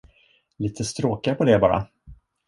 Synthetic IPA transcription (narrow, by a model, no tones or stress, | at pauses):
liːt̪ʰəst̪ɾoːkaɾpʰɔd̪ɛbɑːɾa̰